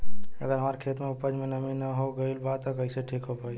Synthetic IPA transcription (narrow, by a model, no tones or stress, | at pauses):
əɡəɾɦəmaɾkʰet̪meupəd͡ʒmenəminəɦoɡəɪlbat̪ɔkəiseʈʰikɦopai